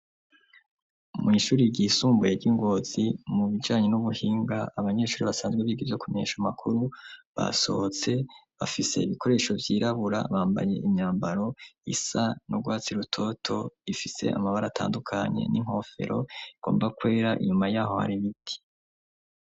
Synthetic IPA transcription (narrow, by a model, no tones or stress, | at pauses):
mŋiʃuːɾiɟisuːmbujeɾɟiŋɡo̞ːz̥imuβid͡ʒaːɲe̞nuβuhiːŋɡaːβaɲe̞ːʃuːɾiβasaːnzɡweβiːɡivjo̞kume̞ɲeːʃamakʰuɾuβa̰so̞̰hot͡se̞βa̰fise̞̰iβikʰo̞ɾe̞ːʃo̞vjiːɾaβuɾa̰βaːmba̰je̞̰ʔimɲaːmbaɾo̞ḭsanoɡwaːt͡siɾutʰo̞tʰo̞ifise̞̰a̰maβaɾatʰa̰ːndukʰaɲe̞̰niŋ̥ho̞ːfe̞̰ɾʔo̞̰iɡ̥o̞̰ːmbakwe̞ːɾaʔḭɲumajaːho̞ha̰ɾiβitʰi̥